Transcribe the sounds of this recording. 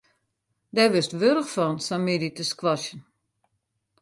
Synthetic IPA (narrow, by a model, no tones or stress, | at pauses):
dɛʋɪstʋøɾəxfɔnsamiditəskʋɔʃjən